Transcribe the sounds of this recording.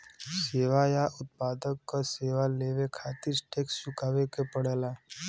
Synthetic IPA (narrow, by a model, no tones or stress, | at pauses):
seːʋajaʔʊt̪̚paːd̪əkːaseːʋaleːʋekʰaːt̪ɪɾʈekst͡ʃʊkaːʋekepəɽəlaː